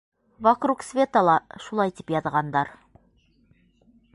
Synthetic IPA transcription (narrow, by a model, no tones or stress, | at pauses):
vakruksvʲe̞t̪ɑlˠɑʃulˠɑjt̪i̥pjɑðʁɑnd̪ɑɾ